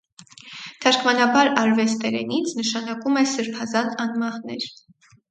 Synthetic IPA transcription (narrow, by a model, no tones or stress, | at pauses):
t̪ʰɑɾkʰmɑnɑbɑɾɑɾvɛst̪ɛɾɛnit͡sʰnəʃɑnɑkumɛsəɾpʰɑzɑnɑnmɑhnɛɾ